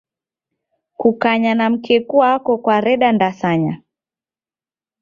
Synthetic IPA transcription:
kukaɲanam̩kɛkuakɔkwaɾɛɗandasaɲa

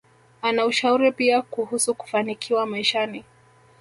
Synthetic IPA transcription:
anauʃauɾipiakuhusuku̥fanikʰiwamaiʃani

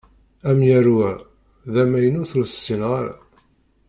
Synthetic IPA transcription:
æmjæɾwæ | ðæmæjənʊθulsə̥sːinʁaɾa̰

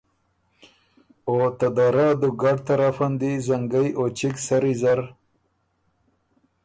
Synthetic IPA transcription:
ot̪ad̪aɾad̪uɡaɖt̪aɾafand̪izaŋɡajʔot͡ʃiksaɾizaɾ

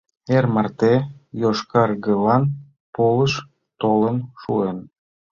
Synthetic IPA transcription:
ermɑrt̪ejoʃkɑrɣəlɑn | poləʃ | t̪olənʃuen

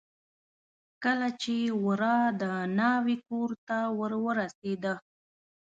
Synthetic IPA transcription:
kəlat͡ʃewəɾɑd̪ənɑwikoɾt̪awəɾwəɾased̪ə

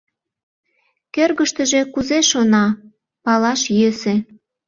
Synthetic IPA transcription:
kørɣəʃt̪əʒe̽kuzeʃonɑ | pɑlɑʃjøsĕ

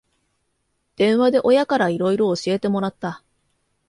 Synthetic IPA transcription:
d̪̥ẽ̞ɰ̃βad̪e̞ʔo̞jakaɾaiɾo̞iɾo̞ːɕie̞t̪e̞mo̞ɾat̪ːa

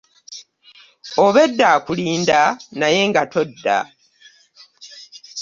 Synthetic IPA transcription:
oβe̞dːaːkuliːndanaje̞ŋɡatʰo̞dːa̰

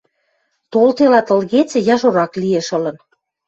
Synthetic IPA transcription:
t̪olt̪elɑt̪ə̆lɣet͡sĕjɑʒoɾɑklieʃɤ̆lə̆n

